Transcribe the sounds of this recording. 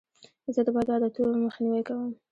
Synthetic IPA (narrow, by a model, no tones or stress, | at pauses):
zəd̪əbɑd̪ɑd̪ət̪olməxniwəjkawəm